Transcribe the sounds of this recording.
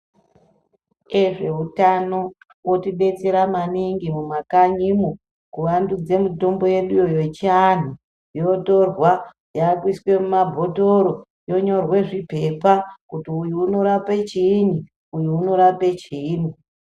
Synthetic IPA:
e̞ʐe̞utano̞ | wo̞tiɓe̞t͡se̞ɾamaniŋɡimumakaɲimu | kuwandud͡ze̞mito̞mbo̞je̞ɗujojet͡ʃian̤u | jo̞to̞rwa | jaːkwiswe̞mumabʱo̞toɾo | jo̞ɲo̞rwe̞ʐipe̞pakutiujuuno̞ɾapet͡ʃiːn̤i | ujuuno̞ɾapet͡ʃiːn̤i

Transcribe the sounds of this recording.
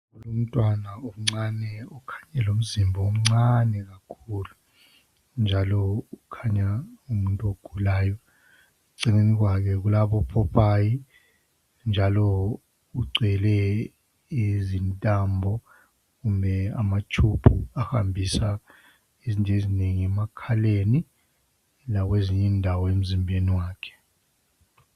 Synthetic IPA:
ulom̩tʼwanaum̩ŋ͡ǀanɛukʰḁɲɛlom̩zimbʱɔom̩ŋ͡ǀanɛɣ̬akʰulu | nd͡ʒʱalɔukʰaɲaumuntʼoɡ̥ʱulaːjɔ | uǀineniɣ̬wakʰɛɣ̬ulaɓɔpʰɔpʰaːji | nd͡ʒʱalɔ | uɡ͡ǀʱɛlɛ | izintʼambʱɔ | kumbʱɛa̰mat͡ʃʰub̥ʰʱuaha̰mbʱisa | izintʼezineŋiɛmakʰaleni | lak̬weziɲindʱawɔem̩zimbʱeniwaːkʰɛ̥

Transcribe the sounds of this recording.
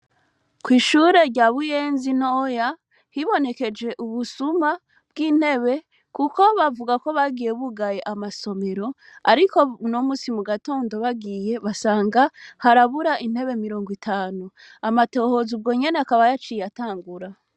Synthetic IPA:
kwiːʃuɾe̞ɾɟaːβuje̞ːnzinoja | hiβo̞ne̞ke̞d͡ʒe̞ʔuβusuma | b̥̚ɡiːn̥he̞βe̞ | kuko̞βavuɡako̞βaɡije̞βuɡajeʔamaso̞me̞ɾo̞ | aɾiko̞nomuːsimuɡato̞ːndo̞βaɡiːje̞βasaːŋɡahaɾaβuɾaʔin̥he̞βe̞miɾo̞ːŋɡwitʰaːnu | amato̞ːho̞zub̚ɡo̞ːɲe̞neakaβajat͡ʃijataːŋɡuɾa

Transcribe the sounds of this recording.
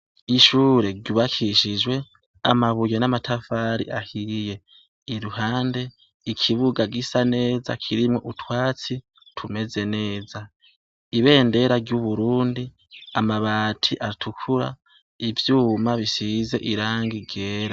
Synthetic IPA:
iʃuːɾe̞ɾɟuβakʰiʃid͡ʒwe̞ | a̰maβujenamatʰafaːɾḭʔahije̞ | iɾuɦaːnde̞ | ikʰiβuɡaɡisane̞ːza̰kʰiɾimŋo̞ʔutwaːt͡si | tʰume̞ze̞ne̞ːza | iβe̞ːnde̞ɾaɾɟuβuɾuːndi | amaβaːtʰiʔatʰukʰuɾa̰ | ivjuːmaβisize̞ʔiɾaːŋɡiɡe̞ːɾa

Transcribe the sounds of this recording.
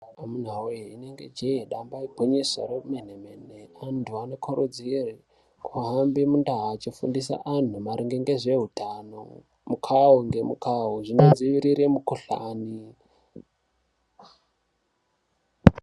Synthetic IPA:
amun̤awoeineŋɡe̞̰d͡ʒeeɗambaibʱoɲisa̰romenemeneantʰuanokʰoɾod͡ziri | kʰuɦambimundaɦat͡ʃifṵndis̬a̰ʔan̤umaɾiŋɡeŋɡe̞ʐe̞ɦutaːno̰ | mukʰawuŋɡe̞mukaɦuʐinod͡ziʋiɾiɾemukuɬa̰ːni

